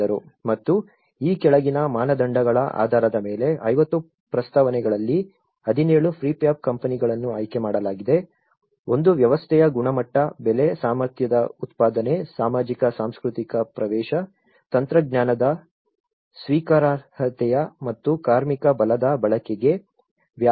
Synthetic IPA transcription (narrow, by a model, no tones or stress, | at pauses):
ɐɾṵmɐt̪ːu | iːkɛɭɐɡinɐmaːnɐd̪ɐɳɖɐɡɐɭɐʔa̰ːd̪ʱaːɾɐd̪ɐmeːle̞ɐjʋɐt̪ːu | pɾɐst̪aʋɐnɛɡɐɭɐlːi | ɐd̪ʱineːɭupʰɾiːpjaːp̚kɐmpɐniɡɐɭɐnːuɐːjkemaːɽɐlaːɡid̪e̞ | o̞nd̪uʋjɐʋɐst̪ʰɛjɐɡuɳɐmɐʈːɐbɛlesaːmɐɾt̪jɐd̪ɐut̪paːd̪ɐne̞saːmaːd͡ʒikɐsaːmskɾut̪ikɐpɾɐʋɛːʃɐ | t̪ɐnt̪ɾɐɡ̚njaːnɐd̪ɐ | sʋiːkaːɾahɐt̪ɛjɐmɐt̪ːukaːɾmikɐbɐlɐd̪ɐbɐɭɐkɛɡe̞ | ʋja